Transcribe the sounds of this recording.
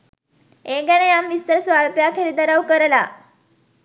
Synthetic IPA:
eɡanejamʋist̪əɾsʋaɭpjakʰelid̪əɾawkəɾla

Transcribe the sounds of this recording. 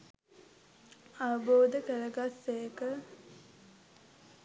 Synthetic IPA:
aʋəboːd̪əkəɾəɡasːejəkə

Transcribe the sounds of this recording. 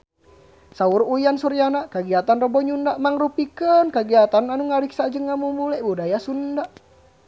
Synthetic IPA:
sauɾujansuɾjanakaɡiat̪anrəbɔɲundaʔmaŋrupikənkaɡiat̪ananuŋaɾiksad͡ʒəŋːamumulɛbudajasundaʔ

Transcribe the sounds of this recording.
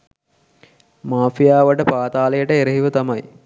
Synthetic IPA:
maːfijaːʋəʈəpaːt̪aːlejəʈəeɾəɦiʋət̪amɐj

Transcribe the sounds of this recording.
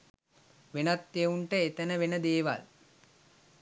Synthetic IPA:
ʋenat̪ːeuɳʈəet̪ənəʋenəd̪eːʋa̰l

